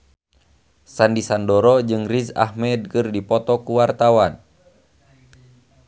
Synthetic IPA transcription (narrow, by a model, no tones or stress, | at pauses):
sandisandɔɾɔd͡ʒɨŋrisa̰hmɛd̚kɨrdipɔt̪ɔkuwart̪awan